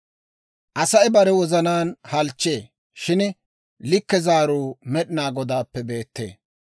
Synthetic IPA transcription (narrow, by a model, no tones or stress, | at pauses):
ʔɐsɐɪbɐɾɛwɔzɐnaːnhɐlt͡ʃːe̞ː | ʃɪn | lɪkːɛzaːɾuːmɛɗɪnaːɡɔd̪aːpːɛbe̞ːt̪ːe̞̰ː